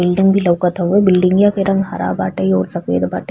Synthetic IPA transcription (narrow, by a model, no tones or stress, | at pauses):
ɪlɖɪ̃ŋɡbʱilɐʋkət̪ʰaɦuebɪlɖɪ̃ŋɡjãkeɾɐ̃ŋɡɦa̰ɾʔa̰ːbaːʈəiɔːɾsɐkḛːd̪ba̰ːʈ